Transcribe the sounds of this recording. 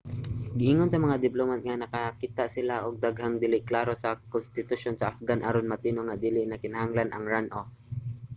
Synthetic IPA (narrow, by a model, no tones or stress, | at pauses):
ɡɪʔiŋonsɐmɐŋad̪ɪplomat̪̚ŋanɐkakit̪aʔsɪlaʔʊɡ̚d̪aɡhaŋd̪ɪlɪʔklaːɾosɐkʊnst̪ɪt̪ʊʃonsɐʔafɡanʔaɾonmat̪inoŋad̪iːlɪʔnakɪnahaŋlanɐŋɹanʔo